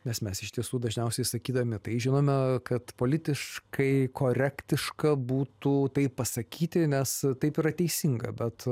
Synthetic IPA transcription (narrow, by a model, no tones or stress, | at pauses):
nʲɛsmʲɛsɪʃt̪ʲiɛsuːd̪ɐʒʲnʲɛʊsʲɛɪsɐkʲiːd̪ɐʋomʲɪt̪ɐɪʒʲɪnoːmʲɛkɐt̪poːlʲɪt̪ʲɪʃkɐɪkoːɾʲækt̪ʲɪʃkɐbuːt̪uːt̪ɐɪppɐsɐkʲiːt̪ʲɪnʲɛst̪ɐɪpiːɾɐt̪ʲɛɪsʲɪŋɡɐ̰bʲɛt̪